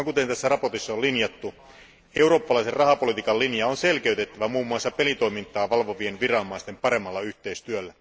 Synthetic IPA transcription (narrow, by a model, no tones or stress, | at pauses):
ŋkut̪e̞nt̪æsːærɑport̪isːɑolinjɑt̪ːu | euro̞ːpːɑlɑiserrɑhɑpo̞lit̪iːkɑllinjɑonselk̟e̞yt̪et̪ːæʋæmuːmːuɑsːɑpe̞lit̪o̞imint̪ːˑɑːʋɑlʋoʋienʋirɑomːɑist̪empɑɾe̞mːɑlːɑyht̪e̞ist̪yølːæ